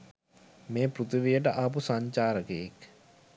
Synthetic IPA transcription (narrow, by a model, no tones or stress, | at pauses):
meːpɾut̪uʋijəʈəʔap̬usaɲt͡ʃaːɾəkejek